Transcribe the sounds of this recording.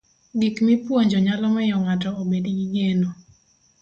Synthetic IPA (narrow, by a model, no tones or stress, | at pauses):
ɡikmipwoɲd͡ʒɔɲalɔmɛjɔŋatɔobedɡiɡeno